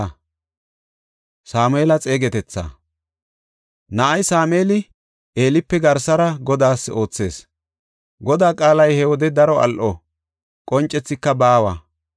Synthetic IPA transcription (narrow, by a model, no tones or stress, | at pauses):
saːmʊeːlɐt͡sʼe̞ːɡɛt̪ɛt͡sːa̰ː | nɐʔɐjsaːme̞ːlɪ | ʔe̞ːlɪpːɛɡɐɾsɐɾɐɡɔd̪aːsːo̞ːt͡sːe̞ːs | ɡɔd̪aːkʼaːlɐjhɛwɔd̪ɛd̪ɐɾɔʔɐ̰lʔɔ | kʼɔnt͡ʃʼːɛt͡sːɪkːɐbaːwa̰